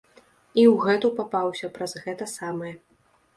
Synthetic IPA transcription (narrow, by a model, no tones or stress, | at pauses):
iwɣɛt̪upapawsʲɐpɾɐzɣɛt̪ɐsamɨjɛ